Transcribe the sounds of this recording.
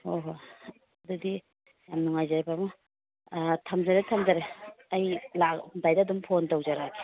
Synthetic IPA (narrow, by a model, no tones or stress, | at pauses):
oɦo | ɐdudi | jamnuŋajzaɾepamu | tʰamzaɾetʰamzaɾeɐjladajdaːdumpʰontowd͡ʒaɾaɡe̥